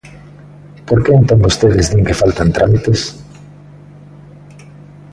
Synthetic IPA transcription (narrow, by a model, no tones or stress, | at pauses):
poɾkeent̪ombost̪eðɪzðiŋkefalt̪ant̪ɾamit̪es